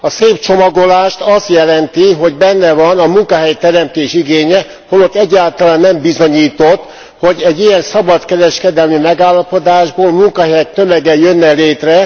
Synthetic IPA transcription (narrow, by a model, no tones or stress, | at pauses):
ɒseːpt͡ʃo̞mɒɡo̞laːʃt̪ɒst̪jɛlɛnt̪iɦo̞ɟbɛnːɛvɒnɒmuŋkɒɦɛjt̪ɛɾɛmt̪eːʃiɡeːɲɛ | holot̪ːɛɟːaːlt̪ɒlaːnːɛmbizo̞ɲiːt̪o̞t̪ː | ho̞ɟɛɟːijɛnsɒbɒt̪kɛɾɛʃkɛd̪ɛlmimɛɡaːlːɒpo̞d̪aːʒboːlmuŋkɒɦɛjɛkt̪ømɛɡɛjønːɛleːt̪rɛ